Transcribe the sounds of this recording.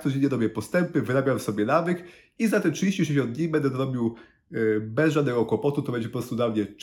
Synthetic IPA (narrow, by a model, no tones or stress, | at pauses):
t̪ɔd͡ʑeɲːɛɾɔbjɛpɔst̪ɛmpɘvɘɾabʲjamfsɔbʲjɛnavɘk | izat̪ɛtʂɨd͡ʑeɕt͡ɕiʂɛɕ̬jɔnd̪ɲijbɛnd̪ɛzɾɔbʲiw | bɛzʐad̪nɛɡɔkwɔpɔt̪ut̪ɔbɛɲd͡ʑɛpɔpɾɔst̪ud̪lamɲɛt͡ʂ